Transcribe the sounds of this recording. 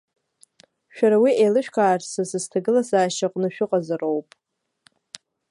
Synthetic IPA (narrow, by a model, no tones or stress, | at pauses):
ʃᶣaɾawielɨʃᶣkʷʰaːrsɨsɨztʰaɡɨlasaːʃaqʼnɨʃᶣʊqʼazɨrowpʼ